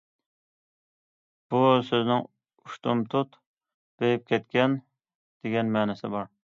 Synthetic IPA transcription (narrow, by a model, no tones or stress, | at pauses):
b̥usøznɪŋ | uʃt̪umt̪ʰut̪ | b̥ejɪp̚kʲʰɛt̪̚kʲɛn | d̪̥eɡʲɛnmæːnɪsɪbɑɾ